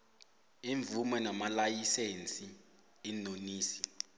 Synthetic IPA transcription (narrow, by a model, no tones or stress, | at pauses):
iɱvumɛnamalajisent͡sʼi | inoniːsi̥